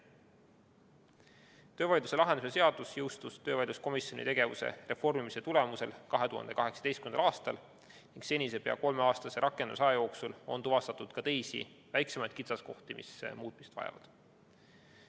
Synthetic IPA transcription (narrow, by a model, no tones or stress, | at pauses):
t̪ø̞ːvɑjd̪use̞lɑɦe̞nd̪usese̞ɑd̪̥usjɤ̞wst̪ust̪ø̞ːvɑjd̪usko̞misjo̞nḭt̪e̞ɡe̞vusḛre̞fo̞rmimise̞t̪ule̞muse̞̰lkɑɦe̞t̪uhɑ̰nd̪e̞kɑɦe̞ksɑ̥est̪̚ymenɑlɑːst̪ɑl | niŋɡ̥se̞nʲise̞pe̞ɑ̰ko̞lmeɑːst̪ɑse̞ɾʔɑkːˑend̪usɑjɑjo̞ːksulo̞̰nt̪uvɑst̪ɑt̪ːud̪̥kɑt̪e̞jsḭ | væjksemɑjd̪̥kit̪sɑsko̞ht̪imḭsmuːt̪̚ˑmise̥t̪vɑ̰jɑ̰vɑ̰d̪̥